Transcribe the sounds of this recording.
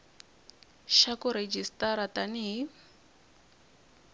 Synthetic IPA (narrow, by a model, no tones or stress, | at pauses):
ʃakuɾed͡ʒistaɾataniɦi